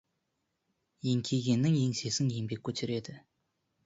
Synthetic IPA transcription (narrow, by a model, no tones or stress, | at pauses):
jeŋkʲʰeɡʲe̞nːɪŋjeŋse̞sɪŋjeŋbe̞k̚ʲʰːɵt̪ʰɪɾe̞d̪ɪ